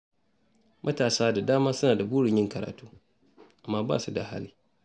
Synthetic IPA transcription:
mʔɐ˦taː˨saː˦da˨daː˦maː˦sʊ˦naː˨da˨buː˦ɽɪ˨ɲjɪ˦ŋkɐ˨ɾa̰ː˨tuː˦ | ʔa˨mːaː˦ba̰˦˨su˦da˨ha̰˦liː˦

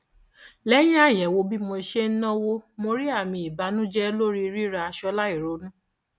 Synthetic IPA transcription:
lɛ˦j̃ã˦a˦˨jɛ˨wo˧bi˦mo˧i˧ʃe˦n̩˦nɔ̃˦wo˦mo˧ɾi˦a˦˨mĩ˧˨i˨ba˨˦nũ˦d͡ʒɛ˦lo˦ɾi˦˧ɾi˦ɾa˧a˧ʃɔ˧la˦i˦˨ɾo˨˦nũ˦

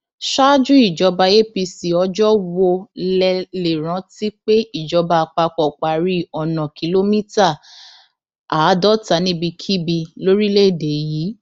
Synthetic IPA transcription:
ʃa˦d͡ʒũ˦i˦˨d͡ʒɔ˨˧ba˧je˦pi˧si˨ɔ˧d͡ʒɔ˦wo˧lɛ˧le˨ɾ̃ã˨˧˦ti˦k͡pe˦i˦˨d͡ʒɔ˨˧˦ba˧k͡pa˧k͡pɔ˨k͡pa˨ɾi˨˦ɔ˨nã˨ki˨lo˦mĩ˦ta˦˨ | a˨˦dɔ˦ta˨˦nĩ˦bi˧kʰi˦bi˧lo˦ɾi˦le˦˨de˨˦jiː˨˦

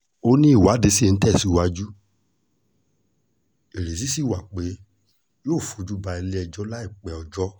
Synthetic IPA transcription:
o˦nĩ˦i˦˨wa˨˦de˨˧˦si˦˨˧n̩˦tɛ˦˨si˨˦wa˧d͡ʒu˦ | e˨ɾe˨s̬i˨˦si˦˨wa˨k͡pe˨˦ | joː˦˨fu˨˦d͡ʒu˦ba˧i˧le˦ɛ˧d͡ʒɔ˦la˦i˦˨k͡pɛ˨ɔ˧d͡ʒɔ˦

